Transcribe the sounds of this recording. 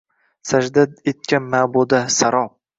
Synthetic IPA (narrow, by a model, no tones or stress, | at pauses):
sad͡ʒd̪ad̪et̪̚kʲanmabod̪asaɾɒ